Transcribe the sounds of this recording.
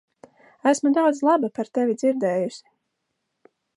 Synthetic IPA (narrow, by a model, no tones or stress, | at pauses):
æsmud̪awd̪zlˠabapaɾt̪ɛvʲid̪ziɾd̪ɛːjusʲi̥